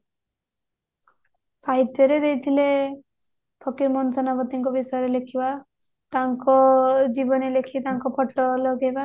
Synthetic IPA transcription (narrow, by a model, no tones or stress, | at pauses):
saɦit̪jɔɾed̪ejt̪ʰile | pʰɔkiɾmɔnsɔnabɔt̪iŋkɔbisɔjɔɾelekʰiba | t̪aŋkɔd͡ʒibɔnelekʰit̪aŋkɔpʰɔʈːɔlɔɡeba